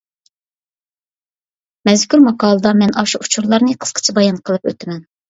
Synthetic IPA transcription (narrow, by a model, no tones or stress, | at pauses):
mɛzkʲʰyɾmɑqɑːlˠɨd̪ɑmɛnɑʃuʔut͡ʃʰuɾlˠɑɾnɨqʰə̥sqʰə̥t͡ʃʰɛbɑjɑnqʰəlˠɨpø̰t̪ɪmɛn